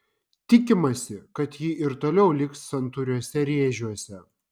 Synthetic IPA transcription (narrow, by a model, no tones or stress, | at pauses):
t̪ʲɪkʲɪmɐsʲɪkɐt̪jiʔɪɾt̪oːlʲɛʊlʲɪkssɐnt̪ʊɾʲuɔsʲɛɾʲeːʒʲuɔsʲɛ